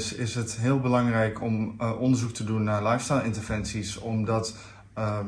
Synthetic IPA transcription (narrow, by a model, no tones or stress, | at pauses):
sɪsɦətɦɪːlˠbəlɑŋrɛjkʰɔmʔɔndərzuk̚tʰədunːaɹlajfstajlˠɪntərvɛnsisɔmdɔt